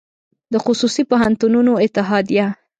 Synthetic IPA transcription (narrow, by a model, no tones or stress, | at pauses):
d̪əxʊsusipoɦant̪ununoɪt̪ːɪɦɑd̪ija